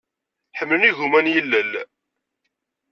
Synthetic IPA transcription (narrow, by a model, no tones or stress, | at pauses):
ħəmlniʝumænjəlːəl